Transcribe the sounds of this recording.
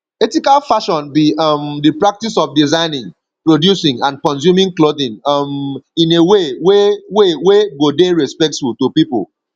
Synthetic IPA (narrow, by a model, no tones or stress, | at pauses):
ɛtikalfaʃɔ̃nbiɔmdipɹak̚tisɔfdizãɪnĩŋ | pɹodjusĩŋãnkɔ̃ns̬jumĩŋkloðĩnɔmĩneweweweweɡodeɹɛspɛk̚tfultupipl